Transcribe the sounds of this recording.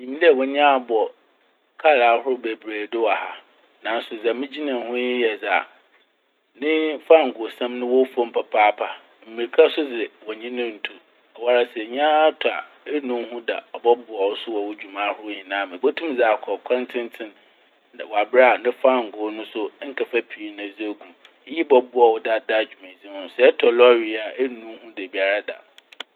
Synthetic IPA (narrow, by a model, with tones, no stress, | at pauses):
ɲĩ˨m˦dwɔ˨ɲ˦ã˦a˨bɔ˨ | kʰa˦ɾaː˨˦hʊ˦ʊ˦be˨bɾeː˨dɪ˦wa˨ha˨ | nã˨n̩˦sʊ˨d͡zɛ˨mɪ̃˦d͡ʑi˦nã˨hʊ̃˦jɪ˦jɛ˨d͡za˨ | nɪ̃˦fa˦˨ŋ̩˨ɡʊ˨sã˦mnʊ̃˦wɔ˦fo˦m̩˨pʰa˨pʰaː˦pʰa˨ | m̩˨mĩ˨ɾkʰa˦sʊ˦d͡zɪ˨wɔ˨ɲĩ˦nʊ̃˦n̩˨tʰu˨ | ɔ˨wa˦ɾa˦sɛ˨ɲ˦ã˦tʰʊ˨a̰˨ | ɛ˦nũ˦hũ˦da̰˨ɔ˨bɔ˦bʊ˨ɔ˨wʊ˦sʊ˦wɔ˨wʊ˦d͡ʑᶣu˨mã˦hʊ˦ʊ˦ɲĩ˨nãː˦mɪ̃˨bɔ˦tʰũ˦m˦d͡za˨kʰɔ˨kʷʰã˦ntʰɪ̃˦n˦tʰɪ̃˦n˨ | wɔ˨a˨bɾa˦˨nɪ̃˦fã˦˨ŋ̩˨ɡʊ˨˦nʊ̃˦sʊ˦ŋ̩˦kʰa˨fa˦pʰi˨˦n˨ã˨d͡zi˦e˦ɡu˨˦ | ji˦bɔ˦bʊ˦ɔ˨wɔ˨da˨da˦˨d͡ʑᶣu˨mẽ˨zi˦hʊ̃˨sɛ˨ɛ˦tʰɔ˨lɔ˦ɥi˨a˨e˦nũ˦hũ˦de˨bi˨a˨ɾa˦da̰˨